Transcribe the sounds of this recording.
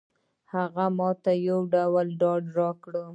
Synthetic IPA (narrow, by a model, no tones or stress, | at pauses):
haɣamɑt̪ajawɖawalɖɑɖɾɑkɽə